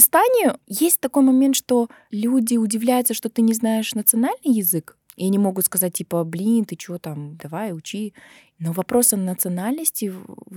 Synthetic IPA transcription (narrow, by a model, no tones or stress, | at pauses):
ɪst̪anʲɪjʊjesʲt̚ʲt̪ɐko̞jmɐmʲent̪ʂt̪o̞ | lʲudʲɪʊdʲɪvlʲæjʊt̪səʂt̪o̞t̪ɨnʲɪznaɪʂnət̪sɨɐnalʲnɨjɪzɨk | ɪɐnʲimo̞ɡʊt̪skɐzat̚ʲtʲːipəblʲint̪ɨt͡ɕɪvot̪amd̪ɐvajʊt͡ɕi | novɐpɾo̞sɐnət̪sɨɐnalʲnəsʲtʲɪ